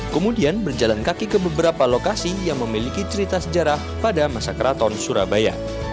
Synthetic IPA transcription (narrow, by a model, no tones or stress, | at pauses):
kəmudianbərd͡ʒalankakikəbəbəɾapalokasijaŋməmilikit͡ʃəɾit̪asəd͡ʒaɾah | padamasakəɾat̪ɔnsuɾabaja̰